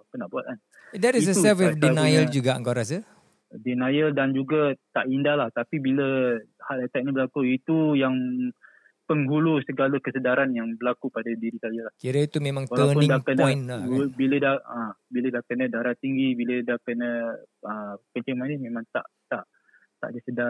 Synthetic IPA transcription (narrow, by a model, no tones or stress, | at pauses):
akunaʔbuat̪̚an | dɛtisəusɛfifdinajəld͡ʒuɡaãŋkaɾas̬ə | dinajəldand͡ʒuɡat̪aʔindahlaht̪apibiləhaʔət̪aʔ̚ɲibəlakuit̪ujaŋ | pəŋɦulusəɡaləkəsədaɾanjaŋbəlakupadadiɾisajəlahkiɾəit̪umẽmãŋtwaləawnʊnĩŋdakənajnabilədaəbilədakənədaɾaiŋɡibilədahkənəəkəɲt͡ʃɪŋmanimẽmãŋt̪a̰ʔt̪aʔ | t̪a̰ʔdisəda